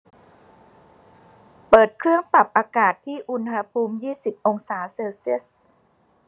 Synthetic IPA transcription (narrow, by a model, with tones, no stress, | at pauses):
pɤː˨˩t̪̚kʰɾɯ˥˩əŋpa˨˩p̚ʔaː˧kaː˨˩t̪ʰːiː˥˩ʔu˧nha˧pʰuː˧mjiː˥˩si˨˩p̚ʔo˧ŋsaː˩˦seː˧wsi˦˥˩ə˩s